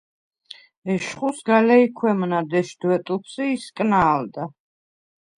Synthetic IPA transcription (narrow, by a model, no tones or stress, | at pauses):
ɛʃχusɡalɛikʰwɛmnad̪ɛʃd̪wɛt̪ʼupʰsiːskʼnaːld̪a